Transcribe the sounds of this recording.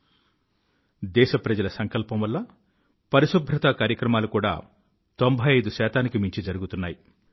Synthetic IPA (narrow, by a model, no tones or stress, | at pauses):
d̪ɛːʃɐpɾɐd͡ʒɐlɐsɐŋkɐlpɐmʋɐlːɐ | pɐɾiʃubʱɾɐt̪ɐkaːɾjɐkɾɐmaːlukuːɽa̰ː | t̪o̞mbʱɐjɐjd̪uʃɛːt̪aːnikimiɲt͡ʃid͡ʒɐɾuɡut̪unːaːji